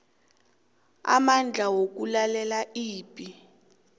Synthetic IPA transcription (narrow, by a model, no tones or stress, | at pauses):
a̰mand͡ɮʱawok̬ulalɛlaiːpʼi